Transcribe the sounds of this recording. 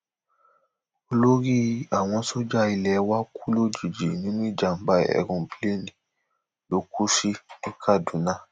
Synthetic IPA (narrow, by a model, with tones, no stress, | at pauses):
o˧lo˦ɾi˦a˨w̃ɔ̃˧so˦d͡ʒa˦˧i˧lɛ˨˦wa˦ku˦lo˦d͡ʒi˨d͡ʒi˨nĩ˨˦nũ˦i˦˨d͡ʒa˨m̩˨˦ba˧˦ɛ̰˨ɾũ˧˨ble˦nĩ˨ | lo˨˦ku˦ʃi˦nĩ˦kʰa˦˨dũ˨˦nã˦˨